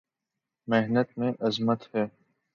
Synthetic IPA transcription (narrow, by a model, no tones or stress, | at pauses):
meɦnət̪mẽʔɐzmət̪hɛː